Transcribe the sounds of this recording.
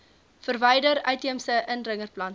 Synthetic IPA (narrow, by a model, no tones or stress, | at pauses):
fərvɛjdəɾœɥtiəmsəʔənrəŋərplɐn